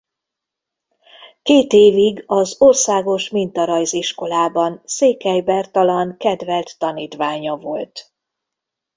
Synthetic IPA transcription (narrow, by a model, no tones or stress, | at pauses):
keːt̪eːviɡɒzorsaːɡo̞ʃmint̪ɒɾɒjziʃko̞laːbɒnseːkɛjbɛrt̪ɒlɒŋkɛd̪vɛlt̪ːɒniːt̪ʋaːɲɒvo̞lt̪